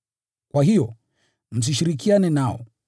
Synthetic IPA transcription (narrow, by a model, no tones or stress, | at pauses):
kwaɦijɔ | m̩s̬iʃiɾik̬ianɛnaɔ̰